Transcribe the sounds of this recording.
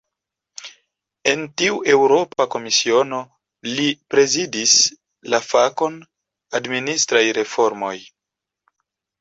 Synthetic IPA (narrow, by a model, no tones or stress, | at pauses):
e̞ntiuʔe̞wɾo̞pako̞misio̞no̞ | lipɾe̞zidis | lafako̞n | administɾajɾe̞fo̞ɾmo̞j